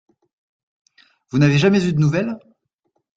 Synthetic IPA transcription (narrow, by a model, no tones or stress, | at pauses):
vunaveʒamɛzyd̪ənuvɛl